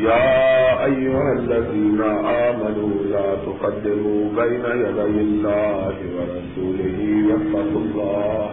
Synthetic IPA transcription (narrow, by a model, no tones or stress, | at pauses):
jaːʔajːʊhalːaziːnaʔaːmanuːlaːt̪ʊqɑdːɪɾuːbajnajaɾajɪlːaːhɪwɐɾˤɑsuːlɪɦiwafɑqʊlːɑː